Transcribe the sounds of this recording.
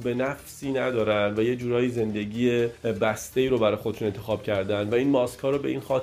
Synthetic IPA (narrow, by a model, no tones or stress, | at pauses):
be̞næfsiːnæd̪ɒːɾænd̪væjed͡ʒuːɾɒːjize̞nd̪e̞ɟiːebæst̪e̞iːɾobæɾɒːjexod̪eʃunent̪ʰe̞xɒːb̥cʰæɾd̪ænd̪væiːnmɒːskʰhɒːɾobe̞ʔinxɒːt̪